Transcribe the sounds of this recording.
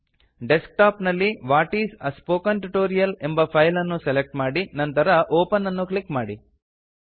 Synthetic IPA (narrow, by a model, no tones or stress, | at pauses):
ɖesk̚ʈaːpnɐlːiʋaːʈiːsɐspoːkɐnʈuʈoːɾijɐle̞mbɐpʰɐjlɐnːuselek̚ʈmaːɽinɐnt̪ɐɾɐʔoːpɐnːɐnːuklikmaːɽi